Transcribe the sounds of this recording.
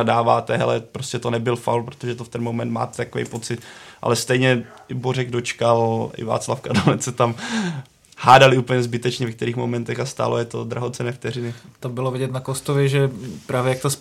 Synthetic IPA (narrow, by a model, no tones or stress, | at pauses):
adaːvaːt̪ɛɦɛ̰lɛpɾoscɛt̪onɛbɪlfa̰wlpɾot̪oʒɛt̪oft̪ɛnmo̞mɛnt̪ma̰ːt̪ɛ̥t̪akovɛ̰jpo̞t͡sɪt̪ʔa̰lɛst̪ɛjɲɛɪborɛɡdot͡ʃkalʔɪ̰va̰ːt͡slafkadomɛt͡ssɛt̪am | haːdalɪʔuːpl̩ɲɛzbɪt̪ɛt͡ʃɲɛvɛkt̪ɛɾiːxmomɛnt̪ɛxast̪a̰ːlojɛt̪o̞d̪ɾaɦot͡sɛnɛːft̪ɛrɪnɪt̪ambɪlovɪɟɛt̪nakost̪ovjɛʒɛpɾaːvjɛjakt̪os